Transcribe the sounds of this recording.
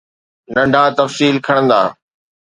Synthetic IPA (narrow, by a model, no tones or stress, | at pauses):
nɐ̃ɳɖʱaːt̪ɐfsiːlkʰɐɽ̃ə̃nd̪aː